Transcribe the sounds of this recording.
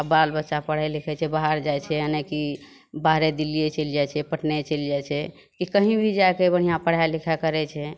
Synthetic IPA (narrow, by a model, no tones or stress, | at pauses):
abalbətːʃapəɽ̤alikʰɛt͡ʃʰɛbaɦaɾd͡ʒajt͡ʃʰɛənɛki | baɦɾed̪ilijet͡ʃəld͡ʒajt͡ʃʰɛpəʈnɛt͡ʃəld͡ʒajt͡ʃʰɛ | kikəɦĩbʱid͡ʒajkebəɽ̤ijãpəɽ̤ajlikʰakəɾɛt͡ʃʰɛ